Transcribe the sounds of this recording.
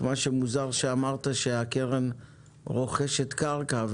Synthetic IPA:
maʃe̞muzaʁʃeamaʁt̪aʃeake̞ʁen | ʁo̞χeʃet̪kaʁkav

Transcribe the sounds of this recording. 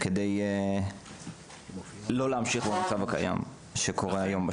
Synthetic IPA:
kedej | lo̞leamʃiχbemat͡savaka̰ja̰m | ʃeko̞ʁeajo̞mba

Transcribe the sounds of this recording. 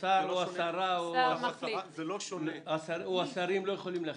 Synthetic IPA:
saoasaɾao | lasaoasaɾimlojeχolimla

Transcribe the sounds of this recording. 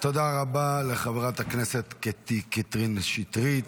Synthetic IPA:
t̪od̪aʁabaleχavʁat̪hakneset̪ket̪ikit̪ʁinʃit̪ʁit̪

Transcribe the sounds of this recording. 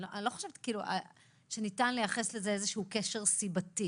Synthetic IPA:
loʔalo̞χo̥ʃevt̪i̥kiːlua̰ | ʃenitanlejaχeslezeezeʃuukeʃeʁsibati

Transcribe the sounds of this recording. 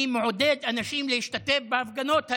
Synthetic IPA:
imoʕod̪ed̪ʔanaʃimlehiʃt̪at̪efbeʔafɡanot̪ha

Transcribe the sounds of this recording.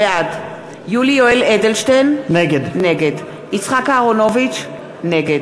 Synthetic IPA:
ead̪ | julioeled̪elʃt̪ejnneɡed̪ːeɡed̪ | it͡sχakaːʁonovit͡ʃ | neɡed̪

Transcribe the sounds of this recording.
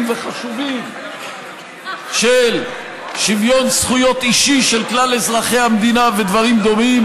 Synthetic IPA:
mve̞χaʃuvim | ʃel | ʃivjo̞nsχujo̞t̪iʃiʃe̞lklalezʁaχe̞jhamd̪inave̞d̪vaʁimd̪o̞mim

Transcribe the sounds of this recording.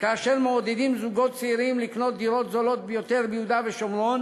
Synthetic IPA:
kaːʃe̞ʁmeod̪ed̪imzuɡo̞t̪̚t͡seiʁimlikno̞t̪̚d̪iʁot̪zolo̞t̪̚bejot̪e̞ʁbejud̪aveʃomlon

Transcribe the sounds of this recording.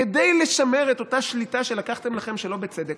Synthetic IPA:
ed̪ejle̞ʃameʁet̪o̞taʃlitaʃe̞lakaχt̪e̞mlaχemʃelo̞bet͡sed̪ek

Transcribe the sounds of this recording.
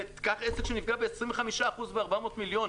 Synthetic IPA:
t̪kaχesekʃenifɡabeːsʁĩmveχamiʃaːχuzbeaʁbamo̞t̪miljo̞n

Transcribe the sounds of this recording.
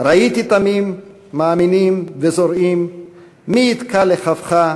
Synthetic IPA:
ʁait̪it̪amimː | aːminimvezo̞ɾimː | iːt̪kʰaleχavχa

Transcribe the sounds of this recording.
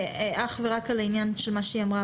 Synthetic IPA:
ʔaχveʁakalainjanʃelmaʃeiamʁa

